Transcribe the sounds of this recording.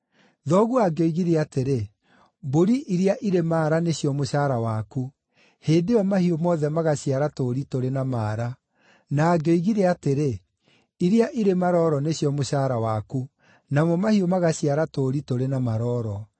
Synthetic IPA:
ðɔɣuaɡeoiɣiɾɛateɾe | boɾiʔiɾiaʔiɾemaːɾaneɕjɔmoɕaɾawaku | heːdeɔmahiomɔðɛmaɣaɕiaɾatoɾitoɾenamaːɾa | naːɡoiɣiɾɛateɾe | iɾiaʔiɾemaɾɔːɾɔneɕjɔmoɕaːɾawaku | namɔmahiomaɣaɕiaɾatoɾitoɾenamaɾɔɾɔ

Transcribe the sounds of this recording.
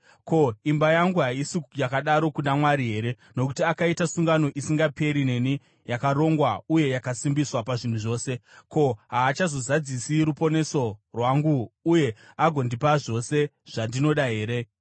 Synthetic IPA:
ko̞imbajaŋɡuɦaisijakaɗaɾo̞kundamwaɾiɦe̞ːɾe̞ | no̞kutiakaitasuŋɡano̞ʔisiŋɡape̞ɾine̞ni | jakaro̞ŋɡwauje̞jakasimbiswapaʐin̤uʐo̞ːse̞ko̞ɦaːt͡ʃazo̞zad͡zisiɾupo̞ne̞so̞rwaŋɡuːje̞ | aɡʱo̞ndipaʐo̞se̞ | ʐ̥andino̞ɗaɦe̞ːɾe̞

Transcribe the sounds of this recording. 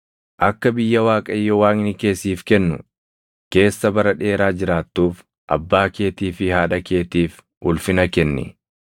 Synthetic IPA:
ʔɐkːɐbɪjːɐwaːkʼɐɪjːɔwaːŋɪnɪke̞ːsiːfkɛnːʊ̰ | ke̞ːsːɐbɐɾɐᶑe̞ːɾaːd͡ʒɪɾaːt̪ːuːf | ʔɐ̰bːaːke̞ːt̪iːfɪhaːᶑɐke̞ːt̪iːf | ʊlfɪnɐkɛnːɪ̰

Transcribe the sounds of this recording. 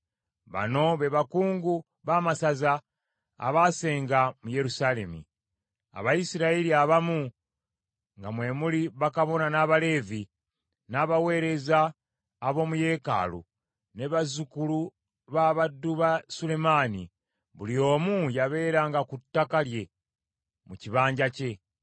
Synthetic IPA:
βa̰no̞βe̞βakuːŋɡu | βaːmasaza̰ː | βaːse̞ːŋɡamuje̞ɾusale̞̰mḭ | a̰βaisiɾaeliaβamu | ŋɡamwe̞ːmuliβakaβo̞nanaːβale̞ːvi | naːβawe̞ːɾe̞zaː | βo̞ːmuje̞ːka̰ːlṵ | neβazukulu | βaːβadːuβasule̞maːnḭ | βulio̞ːmujaβe̞ːɾaːŋɡakutːakalje̞ | muciβaːɲɟace̞

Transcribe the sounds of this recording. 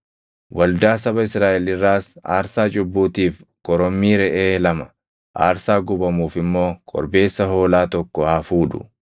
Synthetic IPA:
wɐld̪aːsɐbɐɪsɾaːʔɛlɪrːaːsa̰ːɾsaːt͡ʃʼʊbːuːt̪iːfkʼɔɾɔmːiːɾɛʔeːlɐmɐ | ʔa̰ːɾsaːɡʊbɐmuːfɪmːo̞ːkʼɔ̰ɾbe̞ːsːɐɦo̞ːlaːt̪ɔkːɔhaːfuːᶑʊ̰

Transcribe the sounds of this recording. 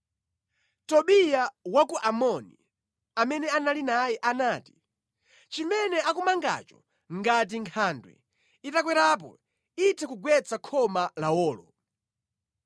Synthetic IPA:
tɔɓijawakuʔamɔni | amɛnɛanalinajɛʔanaːti̥ | t͡ʃimɛnɛʔakumaŋɡa̰t͡ʃɔ | ŋɡat̬iŋkʰaːndwɛ̰ | itakwɛɾap̬ɔ̰ | itʰɛkuɡwɛt͡sakʰɔmalaɔːlɔ

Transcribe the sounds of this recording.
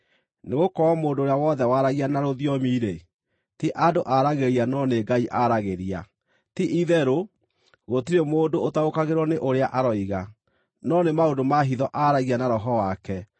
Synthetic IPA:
neɣokɔwamoːdoːɾejawɔðɛwaɾaɣianaɾoðjɔmiːɾe | tiʔadoʔaɾaɣeɾianɔneɡaiʔaɾaɣeɾia̰ | tiʔiðɛɾo | ɣotiɾemoːndoːtaokaɣeɾwɔneʔoɾeaʔaɾɔiɣa | nɔnemaondomaɦiðɔʔaɾaɣianaɾɔɦɔwakɛ

